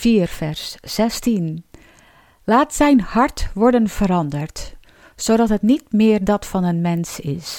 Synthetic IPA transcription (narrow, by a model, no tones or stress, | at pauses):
fiːərfɛɹsːɛstin | laːtsɛjnhɑɹtʋɔɹdənv̥əɾɑndəɹt | sodɑtɦətnit̚mɪːəɹdɑtfɑnənmɛnsɪs